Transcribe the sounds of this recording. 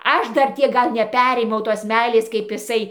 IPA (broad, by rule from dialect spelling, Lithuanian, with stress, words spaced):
ˈɐʃ ˈdɐr ˈtʲiɛk ˈɡɐlˠ nʲɛˈpʲæːrʲeːmʲɛʊ toːs ˈmʲɛɪlʲeːs kɐɪp ɪˈsɐɪ